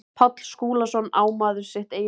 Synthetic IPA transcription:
pʰɔt̪l̥skuːlasɔnaːwmaːðʏɾ̥sɪht̪eːjɪ

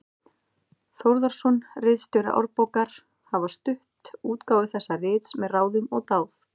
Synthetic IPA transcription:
θowɾðaɾ̥sɔnrɪːðst̪ʏɾa̰ʔɔ̰ɾpɔwkaɾ̥ | havast̪ʏht̪uːt̪kaːwðɪθɛsːarɪːt̪smɛðraːwðɪnɔɣt̪aːwf

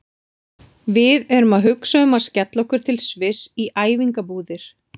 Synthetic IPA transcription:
vɪðɛɾʏmaðɦʏksaʏmḁscɛt̪lɔhkʏɾ̥t̪ʰɪlsvɪsiʔaːjviŋkapuːðɪɾ̥

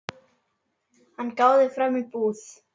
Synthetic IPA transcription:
ankawðefɾamipuːθ

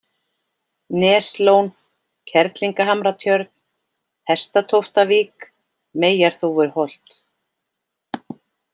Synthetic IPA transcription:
nɛːslown | cʰɛɾt̪liŋkaɦamɾat̪ʰjœɾt̪̚n̥ | hɛ̥st̪at̪ʰowft̪aviːk | meːjaɾ̥θuvɪɾ̥hɔl̥t̪

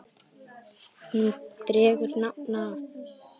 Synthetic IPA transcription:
t̪ɾeɡiɾnawna

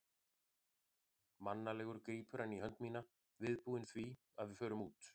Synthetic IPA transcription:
manːalɛːɣʏɾkeːjpʰʏɾanːiɦœnt̪miːna | vɪðpuːðɪnθvi | aðvɪðfœːɾʏmuːt̪

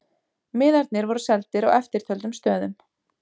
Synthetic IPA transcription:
mɪːðaɾt̪nɪɾvɔɾʏsɛlt̪ɪɾawɛft̪ɪɾ̥t̪ʰœlt̪ʏmst̪œːðʏm

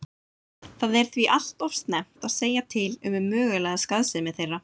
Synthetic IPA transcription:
θaðɛɾ̥θviʔal̥t̪ɔfst̪nɛm̥t̪aðseːjat̪ʰɪlʏmʏmœːɣʏlɛɣaskaðsɪmɛðθejrːa

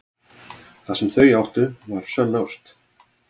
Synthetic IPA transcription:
θasɛmθœɥjawht̪ʏvaɾ̥sœlnawst̪

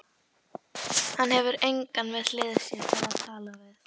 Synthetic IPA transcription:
hanɦɛvʏɾejŋkanvɛðlɪːðsɛt̪ɛɾaðt̪ʰaːlavɪθ

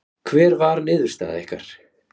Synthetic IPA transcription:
kʰvɛːɾvaɾnɪːðʏɾ̥st̪a̰ːða̰ehka̰ɾ̥

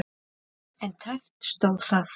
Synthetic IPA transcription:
ɛnt̪ʰaft̪st̪owθaθ

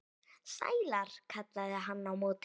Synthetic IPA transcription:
sa̰jlaɾ̥kʰat̪laðɪɦanːawmoːt̪

